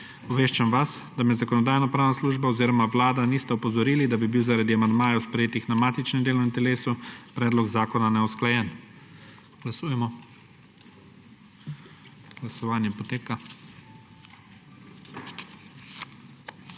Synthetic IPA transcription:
ɔʋeːʃt͡ʃamʋasd̪amɛzakɔnɔd̪aːjnɔpɾaːwnasluːʒbaɔziːɾɔmaʋlaːd̪aniːst̪ɛɔpɔzɔɾiːlid̪abibiwzaɾad̪iamand̪maːjɛwspɾɛjeːt̪ixnamaːt̪it͡ʃnɛmd̪eːlɔnɛmt̪ɛleːsupɾɛːd̪lɔɡzaːkɔnanɛɔsklajɛːn | ɡ̥lasuːjɛmɔ | ɡ̥lasɔʋaːnjɛpɔt̪eːka

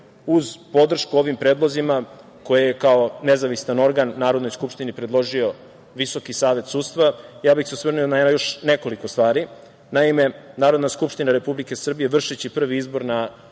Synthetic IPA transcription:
uzpo̞d̪r̩ʃkuo̞ʋimpɾe̞ːd̪lˠo̞zima | ko̞jejekao̞ne̞zaʋist̪ano̞ɾɡanːaːɾo̞d̪no̞jskupʃt̪inipɾe̞d̪lˠo̞ʒio̞ | ʋiso̞kisaːʋe̞t̪suːt̪st̪ʋajaːbixseusʋrnujonaenajo̞ʃne̞ko̞likost̪ʋaːɾi | naime̞naːɾod̪naskupʃt̪inaɾe̞publike̞sr̩bije̞ʋr̩ʃet͡ɕipr̩ʋiizbo̞ɾna

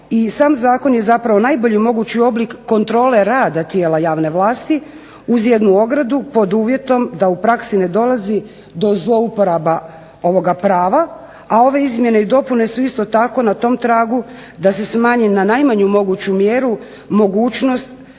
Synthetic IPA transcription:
isaːmzaːko̞nje̞zapɾaʋo̞najbo̞ʎimo̞ɡut͡ɕio̞blikːo̞nt̪ɾo̞ːle̞ɾaːd̪at̪je̞ːlajaːʋne̞ʋlˠaːst̪i | uzje̞d̪nuo̞ɡɾad̪upo̞d̪uːʋje̞t̪o̞md̪aupɾaksine̞d̪o̞lˠazi | d̪o̞zlo̞upoɾaba | o̞ʋo̞ɡapɾaːʋa | ao̞ʋe̞izmje̞ne̞id̪o̞pune̞suist̪o̞t̪ako̞nat̪o̞mt̪ɾaːɡu | d̪ase̞smaːɲinanajmaɲumo̞ɡut͡ɕumjeɾu | mo̞ɡuːt͡ʃno̞st̪

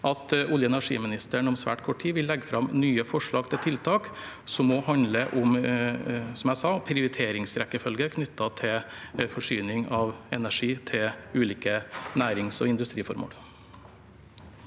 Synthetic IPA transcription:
ʔɑt̪ʊljəɛnæʂḭːmɪnɪst̪əɳɔmsʋæ̰ːʈkʰɔːʈʰiːʋɪlːɛɡːəfɾɑmnyːəfɔʂɭɑːɡ̚t̪ʰɪlt̪ʰɪlt̪ʰɑːk | sɔmːɔhɑnd̪ləʔʊm | sɔmjæɪsɑpʰɾɪʊɾɪt̪ʰeːɾɪŋsɾɛkːəfœlɡəɾkʰnʏt̪ːɑt̪ʰɪlfɔʂyːnɪŋɑʋɛnæʂiːt̪ʰɪlʉːliːkənæːɾɪŋsɔ̰ɪnd̪ʉst̪ɾiːfɔ̰ɾmo̰ːl

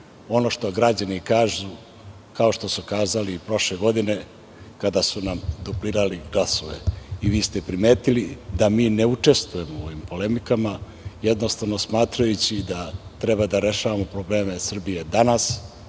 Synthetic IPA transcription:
o̞no̞ʃt̪o̞ɡɾad͡ʑanikaːʒu | kao̞ʃt̪o̞sukaːzalipɾo̞ʃleɡo̞d̪ine̞ | kad̪asunamd̪upliːɾaliɡlasoʋḛiʋiːst̪epɾime̞ːt̪ilid̪amiːne̞ut͡ʂe̞st̪vuje̞moo̞ʋimpo̞le̞mikama | jed̪no̞st̪aʋno̞smaːt̪ɾajut͡ɕid̪at̪ɾe̞bad̪aɾe̞ʃaʋamo̞pɾo̞ble̞ːme̞sr̩bijed̪anas

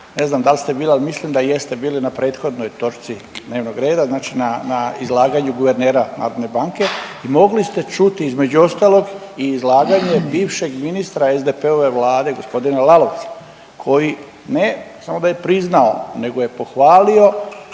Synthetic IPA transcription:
ne̞znamd̪alist̪e̞biːlialimislimd̪aje̞st̪e̞biːlinapɾe̞ːt̪xo̞d̪no̞jt̪oɾt̪sid̪ne̞ːʋno̞ɡɾe̞ːd̪aznaːt͡ʃinanaizlˠaːɡaɲuɡuʋe̞ɾne̞ːɾana̰ːɾo̞d̪ne̞baŋke̞imo̞ɡlist̪e̞t͡ʃut̪iizme̞d͡ʑuo̞st̪aːlˠo̞ɡ | iːzlaːɡaɲe̞biːʋʃe̞ɡminist̪ɾaezd̪epe̞o̞ʋe̞ʋlaːd̪e̞ɡo̞spo̞d̪inelalo̞ʋ̪sḁ | kʰo̞ji | nesamo̞d̪aje̞pɾiznao̞ne̞ɡo̞je̞po̞xʋaːlio̞

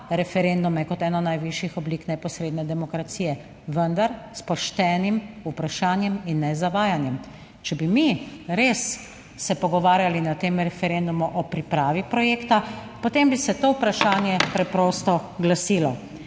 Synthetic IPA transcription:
ɾɛfɛɾend̪umɛkɔt̪ɛːnɔnajʋiʃjixɔbliːknɛpɔsɾeːd̪nɛd̪ɛmɔkɾat̪siːjɛ | ʋənd̪aɾspɔʃt̪ɛːnimupɾaʃaːnjɛminːɛzaʋaːjanjɛm | t͡ʃɛbimiɾesː | ɛpɔɡɔʋaːɾjalinat̪eːmɾɛfɛɾend̪umuʔɔpɾipɾaːʋipɾɔjeːkt̪apot̪embisɛt̪oupɾaʃaːnjɛpɾɛpɾoːst̪ɔɡlasiːlɔ

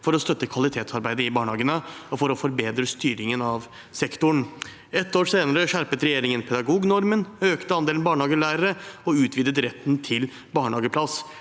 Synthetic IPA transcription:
fɔɾɔst̪œt̪ːəkʰʋɑlɪt̪ʰeːt̪sɑɾbæɪd̪əɪbɑːɳhɑːɡənəɔfɔɾɔfɔɾbeːd̪ɾəst̪yːɾɪŋənɑʋ | sɛkt̪ʊɳ | ɛt̪ːoːʂeːnəɾəʂæɾpət̪ɾɛjeːɾɪŋənpʰɛd̪ɑɡuːɡnɔɾmənøːkt̪əɑnd̪eːlnbɑːɳhɑːɡəlæɪɾəɾəɔʉːt̪ʰʋiːd̪ət̪ɾɛt̪ːnt̪ʰɪl | bɑːɳhɑːɡəpʰlɑs

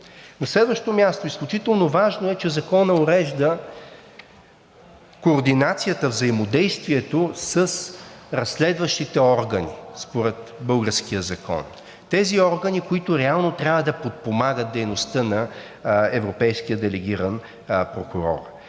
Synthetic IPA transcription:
nɐslɛd̪vəʃt̪omʲjast̪oisklʲut͡ʃit̪ɛlˠnovaʒnoɛt͡ʃɛzɐkɔnəoɾɛʒd̪ə | koːɾd̪inat̪sijət̪əvzɐimod̪ɛjst̪viɛt̪osəsɾɐslɛd̪vəʃt̪it̪ɛɔɾɡənispoɾɛt̪bɤlˠɡəɾskiəzɐkʰɔ̰n | t̪ɛziɔɾɡənikoit̪ʊɾɛalˠnot̪ɾʲjavəd̪ɐpot̪̚pomaɡət̪̚d̪ɛjnost̪ənɐ | ɛvɾopɛjskijəd̪ɛlɛɡ̟ʲiɾən | pɾokuɾɔ̰ɾ

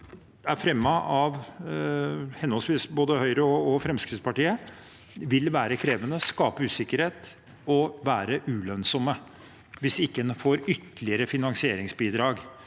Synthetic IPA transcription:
æɾfɾɛmːɑɑʋ | hɛnɔlsʋiːsboːd̪əhœʏɾəɔɔfɾɛmskɾɪt̪spɑʈiːə | ʋɪlʋæːɾəkʰɾeːʋənəskɑːpəʉːsɪkːəɾheːt̪ | ɔʋæːɾəʔʉːlœnsɔmə | ʋɪsɪkːənfoːɾʏt̪ːəlɪəɾəfɪnɑŋsɪeːɾɪŋsbiːd̪ɾɑːɡ

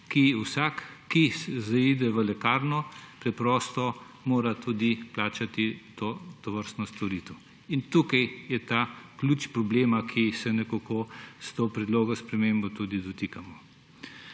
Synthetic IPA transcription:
kiusakːiszaid̪ɛʋəlɛkaːɾnɔpɾɛpɾɔːst̪ɔ | moːɾat̪uːd̪iplaːt͡ʃat̪it̪oːt̪ɔʋəɾst̪nɔst̪ɔɾiːt̪ɛ | int̪uːkajjɛt̪akluːt͡ʃpɾɔbleːmakʰisɛnɛkokost̪oːpɾɛd̪loːɡɔspɾɛmembot̪uːd̪id̪ɔt̪ikamɔ

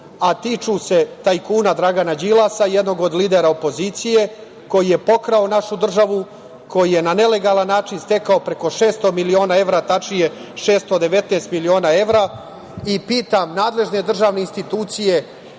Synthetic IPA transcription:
at̪it͡ʃuse̞t̪ajkuːnad̪ɾaɡanad͡ʒilˠasajed̪no̞ɡo̞d̪liːd̪eɾaopo̞zit̪sije̞ | ko̞jije̞po̞kɾao̞naʃud̪r̩ʒaʋu | kʰo̞jije̞nane̞le̞ɡaːlanːaːt͡ʃinst̪e̞kaopɾe̞ko̞ʃe̞ːst̪o̞milio̞ːnae̞ʋɾat̪at͡ʃije̞ | ʃe̞ːst̪od̪e̞ʋe̞t̪neːst̪milio̞ːnae̞ʋɾa | ipiːt̪amnaːd̪le̞ʒne̞d̪r̩ʒaːʋne̞inst̪it̪uːt̪sije̞

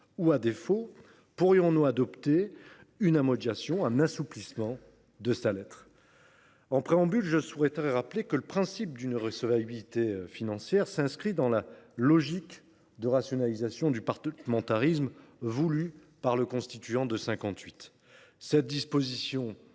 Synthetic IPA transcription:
uad̪efo | puʁjɔ̃nuad̪ɔpt̪e | ynamɔd̪jasjɔ̃ɛ̃nasuplismɑ̃ | d̪əsalɛt̪χ | ɑ̃pχeɑ̃bylʒəsuʁɛt̪aʁɛʁaplekələpχɛ̃sip̚d̪ynʁəsəvabiit̪efinɑ̃sjɛʁsɛ̃skχid̪ɑ̃lalɔʒik | d̪əʁasjɔnalizasjɔ̃d̪ypaʁəmɑ̃t̪aʁismvuly | paʁləkɔ̃st̪it̪yɑ̃d̪əsɛ̃kɑ̃t̪ɥit̪ | sɛt̪̚d̪ispozisjɔ̃

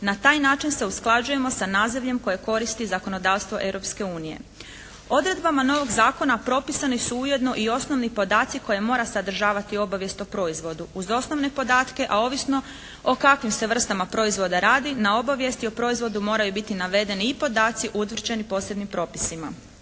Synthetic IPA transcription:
nat̪aːjnaːt͡ʃinse̞usklˠad͡ʒuje̞mo̞sanaːziʋʎe̞mko̞je̞ko̞ɾist̪izako̞no̞d̪aːʋst̪ʋo̞ʔe̞wɾo̞pske̞uːnije̞̰ | o̞d̪ɾe̞d̪bamano̞ʋo̞ɡzaːko̞napɾo̞pisanisuuje̞d̪no̞ʔio̞sno̞ʋnipo̞d̪aːt̪siko̞je̞mo̞ːɾasad̪r̩ʒaːʋat̪io̞baʋje̞st̪opɾo̞izʋo̞d̪uːzo̞sno̞ʋne̞po̞d̪aːt̪ke̞ʔao̞ːʋisno̞ | o̞kakʋimse̞ʋr̩st̪amapɾo̞izʋo̞d̪aɾaːd̪inao̞baʋje̞st̪iopɾo̞izʋo̞d̪umo̞ːɾajubit̪inaʋe̞d̪e̞niːpo̞d̪aːt̪siʔut̪ʋr̩d͡ʑe̞nipo̞ːse̞bnimpɾo̞ːpi̥sima

